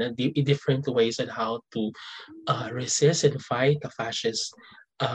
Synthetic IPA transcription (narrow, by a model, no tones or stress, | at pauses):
ɐd̪ɪd̪ɪfɹɛ̃nt̪weɪsɔ̃nhawt̪uʔaɹɪsɪsɛ̃nfajɪt̪̚ɐfaʃɛsʔa